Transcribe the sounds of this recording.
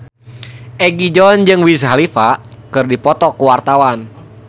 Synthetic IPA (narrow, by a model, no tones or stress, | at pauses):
ʔɛɡid͡ʒɔnd͡ʒɨŋwisɦalifakɨrdipɔt̪ɔkuwart̪awan